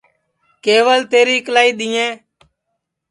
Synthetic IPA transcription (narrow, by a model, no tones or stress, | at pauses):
keːʋəlt̪eːɾiːklaːiːɗ̪iːẽː